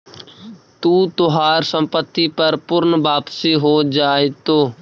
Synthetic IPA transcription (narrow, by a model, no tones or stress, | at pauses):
t̪uːt̪ʊɦaːɾsəmpət̪ːiːpəɾpʊɾnʋaːpsiːɦoːd͡ʒaːet̪oː